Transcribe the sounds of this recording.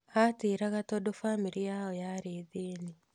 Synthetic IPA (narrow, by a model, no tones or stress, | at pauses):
ateɾaɣatɔdofamiɾijaɔjaɾeːðeːni